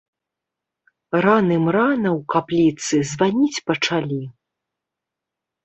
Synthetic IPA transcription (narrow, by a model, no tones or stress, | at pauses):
ranɨmranɐwkaplʲit̪sɨzvanʲit͡sʲpɐt͡ʂalʲi